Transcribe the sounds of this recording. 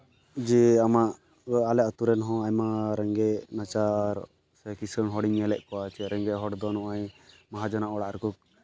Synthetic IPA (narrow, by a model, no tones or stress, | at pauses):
d͡ʒɛamaʔ | alɛʔɔt̪uɾɛnɦɔ̃ajmaɾɛŋɡɛʔnat͡ʃaːɾ | sɛkisəɳɦɔɽiɲːɛlɛʔkɔwat͡ʃɛɾɛŋɡɛʔɦɔɽd̪ɔnɔʔaj | maɦad͡ʒɔnaʔɔɽaʔɾɛkɔk